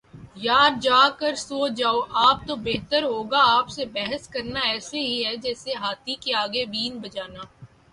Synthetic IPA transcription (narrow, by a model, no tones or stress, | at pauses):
jaːd̪̚d͡ʒaːkəɾsoːd͡ʒaːoʔaːp̚t̪obeːɦt̪əɾɦoːɡaaːpsebɛɦəskɐɾnaɛːseɦiɦɛd͡ʒɛːseɦaːt̪ʰikeaːɡebiːnbɐd͡ʒaːnaː